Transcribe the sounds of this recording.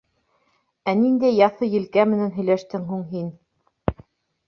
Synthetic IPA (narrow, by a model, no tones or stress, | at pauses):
ænind̪æjːɑθɤjɘ̆lkæmɘ̆nænɦɵ̆jlæʃt̪ɘŋɦuŋɦin